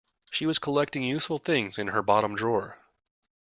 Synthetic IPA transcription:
ʃiwʌz̥kʰəlɛk̚tɪ̃ŋjʉsfl̩ˠθɪ̃ŋzɨ̃nə˞bɑɾə̃mdɹɔɹ

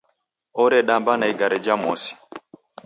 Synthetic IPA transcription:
ɔɾɛɗambanaiɡaɾɛd͡ʒamɔsi̥

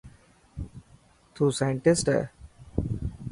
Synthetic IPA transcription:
t̪ʰusajəɳʈɪsʈə̰

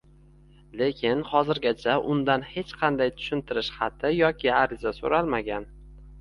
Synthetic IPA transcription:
le̞kʲʰɪnχɒzɪɾɡʲat͡ʃʰaʔʊnd̪anhe̞t͡ʃqʰɑnd̪ajt̪ʰʊ̥ʃɪnt̪ʰɪɾɪʃχɑt̪ʰɪjɒkʲʰɪaɾɪzaso̰ɾalˠmaɡʲan

